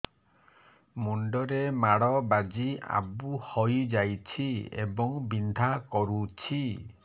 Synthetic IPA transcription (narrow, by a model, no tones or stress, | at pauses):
muɳɖɔɾemaɽɔbad͡ʒia̰buhɔjd͡ʒajt͡ʃʰiḛbɔŋbind̪ʱakɔɾut͡ʃʰi